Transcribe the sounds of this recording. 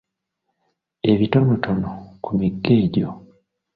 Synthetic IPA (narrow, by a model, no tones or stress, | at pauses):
e̞βitonotʰonokumiɡːeːɟo